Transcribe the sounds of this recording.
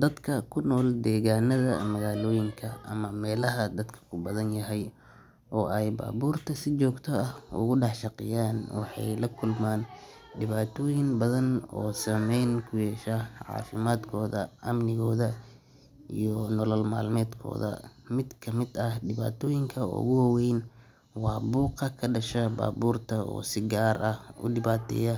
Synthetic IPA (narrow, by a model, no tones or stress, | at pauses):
d̪̥ɐd̪kʰɐkʰʊnɔːld̪ɛːɣaːnɐðɐ̰mɐɣaːlɔːjɪŋkʰɐɐ̰mɐmɛːlɐɦɐd̪ɐd̪kʰɐ̥kʰʊbɐðɐnjɐɦɛj | ʔɔːʔɛjba̰ːβuːrt̪ʰɐsɪt͡ʃɔːɡt̪ʰɔɐhʊ̰ɣʊɖɑħʃɑqɪ̰jaːnwɑ̰ħɑ̰jlɐkʰʊlmaːn | ɖɪβaːt̪ʰɔːjɪŋbɐðɐnɔ̰ːsɐmɛjnkʰʊjɛːʃɐʕɑ̰ːfɪmaːd̪kʰɔːðɐ̰ʔɐmnɪɣɔːðɐ | ijɔnɔlɔlma̰ːlmɛːd̪kʰɔ̰ːðɐ̰mɪd̪kʰɐmɪd̪ɐɖɪβa̰ːt̪ʰɔːjɪŋkʰɐʊ̰ɣʊwɐwɛjn | wɑːbuːqɐkʰɐɖɐʃɐba̰ːbuːrt̪ʰɐɔ̰ːsɪɡaːrʔɐhʊ̰ɖɪβaːt̪ʰɛ̰ːjɐ